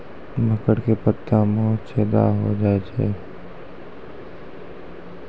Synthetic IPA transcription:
bʱəkəɽkepət̪ːãmõːt͡ʃɛːd̪a̰ɦo̰d͡ʒaːet͡ʃḛː

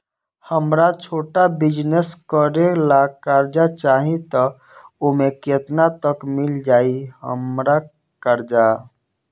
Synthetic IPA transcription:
həmɾat͡ʃʰoːʈabid͡ʒneskəɾelakaɾd͡ʒat͡ʃaɦĩt̪ɔ | omeket̪nat̪əkmild͡ʒaihə̰mɾa | kaɾd͡ʒa

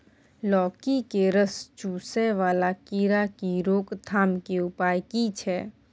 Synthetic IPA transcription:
lɔːkikeɾəst͡ʃuːsɛʋaːlakiɾakiɾoːkt̪ʰaːmkeʊpaːjkit͡ʃʰɛː

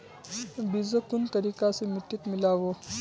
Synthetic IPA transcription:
bid͡zəkunt̪əɾikasemiʈ̪iːt̪milaʋo

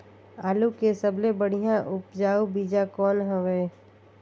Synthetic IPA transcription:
aːlukesəblebəɽ̤ijãʔʊpd͡ʒaːobiːd͡ʒakɔːnɦəʋeː

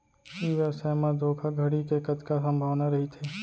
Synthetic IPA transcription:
iːʋəɾsɛːmad̪ʱoːkʰaɡʱɐɽikekɐt̪kasɐ̃mbʱaʋnaɾɐɦit̪ʰeː

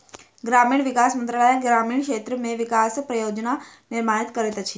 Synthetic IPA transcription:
ɡɾamiɳ̃ʋikasmə̃nt̪ɾəɭajeɡɾamiɳkʃet̪ɾəmeʋikaspɾəjod͡ʒna | nɪɾmaɽit̪kəɾet̪ət͡ʃʰi

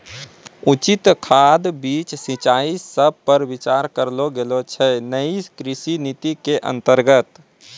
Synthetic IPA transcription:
ut͡ʃɪt̪kʰad̪biːt͡ʃsɪ̃t͡ʃaːisəb̚ʱpəɾwɪt͡ʃaːɾkəɾloɡelot͡ʃʰɛnəikɾɪsinit̪ikeʔə̰̃nt̪əɾɡət̪

